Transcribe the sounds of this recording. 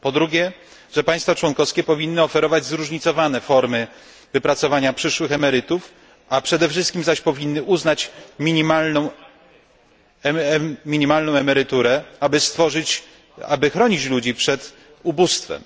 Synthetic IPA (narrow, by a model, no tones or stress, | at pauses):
pɔd̪ɾuɡʲjɛ | ʐɛpaj̃st̪fat͡ʂwɔnkɔfskʲɛpɔvʲinːɘɔfɛɾɔvad͡ʑzɾuʐɲit̪sɔvanɛfɔɾmɘ | vɘpɾat̪sɔvaɲapʂɘʂwɘxɛmɛɾɘt̪uf | apʂɛd̪ɛfʂɘst̪kʲimzaɕpɔvʲinːɘʔuznat͡ɕmʲiɲimalnɔ̃w̃ | mʲiɲimalnɔ̃w̃ɛmɛɾɘt̪uɾɛabɘst̪fɔʐɘt͡ɕ | abɘxɾɔɲit͡ɕlud͡ʑipʂɛt̪ | ubust̪fɛ̰m